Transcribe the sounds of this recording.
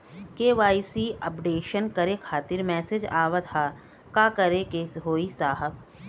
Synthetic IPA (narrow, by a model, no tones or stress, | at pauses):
keːʋaːisiːɐpɖeːʃənkɐɾekʰaːt̪ɪɾmɛːsed͡ʒaːʋat̪ʰaː | kaːkɐɾekeːɦoːisaːɦəb̚